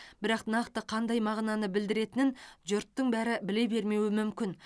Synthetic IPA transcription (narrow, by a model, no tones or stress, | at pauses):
b̥ɪɾɑqnɑqt̪əqʰɑnd̪ɑjmɑʁnɑnəbɪld̪ɪɾe̞t̪ɪnɪnʒʊɾt̪ːəɴbæɾɪbɪle̞be̞ɾme̞wɪmʏmkʲɪn